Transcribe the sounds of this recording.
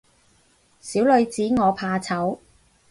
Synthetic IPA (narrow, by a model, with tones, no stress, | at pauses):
siː˨˥wlɵ˨˧ɥt͡siː˨˥ŋɔː˨˧pʰaː˧t͡sʰɐ˨˥w